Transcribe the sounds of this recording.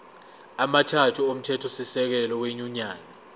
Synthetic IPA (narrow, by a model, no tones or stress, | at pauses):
amatʰatʰuom̩tʰɛtʰɔsisɛk̬ɛlɔweɲuɲaːna